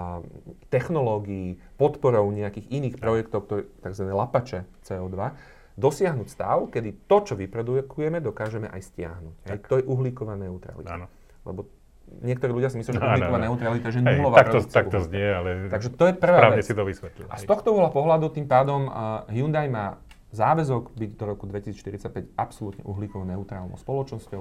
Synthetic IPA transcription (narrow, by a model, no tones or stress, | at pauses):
t̪ɛxnɔlɔɡiː | pɔt̪pɔɾɔʊɲɛakiːɣiniːxpɾɔjɛkt̪ɔʊk̚t̪ɔɾɛːt̪aɡzʋanɛːlapat͡ʃɛt͡sɛːɔːd̪ʋa | d̪ɔsɪaɦnucst̪a̰ʊkɛd̪it̪ɔt͡ʃɔʋipɾɛd̪ukujɛmɛd̪ɔkaːʒɛmɛʔajscɪa̰ɦnucajt̪ɔjɛʔuɦliːkɔʋaːnɛut̪ɾa̰lḭa̰ | lɛ̰bɔ | ɲɪɛkt̪ɔɾiːluɟjas̬imislɛlɛlikɔʋaːnɛut̪ɾalit̪aʒɛjɛnulɔʋaaɾɾɔakt̪ɔzɲɛalɛt̪aɡʒɛt̪ɔjɛpr̩ʋaːaʋɛɲɛt͡ssit̪ɔʋisʋɛt̪lḭlʔa̰st̪ɔxt̪ɔuɦlapɔɦlad̪ut̪iːmpaːd̪ɔmɦiund̪ajmaː | zaːʋɛzɔɡbiɟd̪ɔɾɔkud̪ʋɛci̥siːt͡sʃt̪iɾit͡sac̚pɛcapsɔlut̪ɲɛ̰ʔuɦliːkɔʋanɛut̪ɾa̰ːlnɔ̰ʊspɔlɔt͡ʃnɔscɔʊ